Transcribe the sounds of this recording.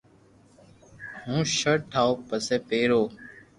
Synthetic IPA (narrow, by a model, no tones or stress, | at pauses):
hũːʃəɽʈʰaːoːpəseːpeːɾoː